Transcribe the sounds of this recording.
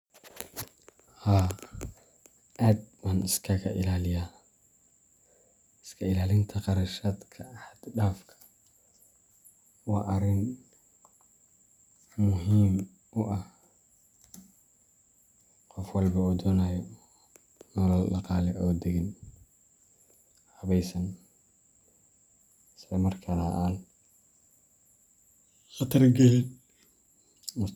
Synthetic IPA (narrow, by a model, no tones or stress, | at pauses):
haː | ʔaːd̪wɐnɪskʰɐɣɐʔɪlaːlɪjaː | ɪskʰɐɪlaːlɪnt̪ʰɐqɑɾɐʃaːd̪kʰɐħɐd̪ɖaːfkʰɐ̥ | wɑːʔɐɾɪn | mʊɦiːm | ʔʊʔɐh | qɔfwɐlbɐuːd̪ɔːnajɔ | nɔlɔllɑqɑːlɛʔɔːd̪ɛɣɪn | hɐβɛjsɐn | sɐmɐrkʰɐnaʔal | ɐt̪ʰɐrɡɛ | mʊ